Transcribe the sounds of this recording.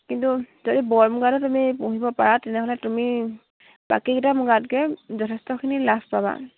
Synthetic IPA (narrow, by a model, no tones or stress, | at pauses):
kintuzodibɔɹmuɡadɔtumipɔ̃ɦibɔpaɹatɛnɛɦɔlɛtumi | b̥a̰kikitamuɡatkɛzɔtʰɛstɔkʰinilaspaba̰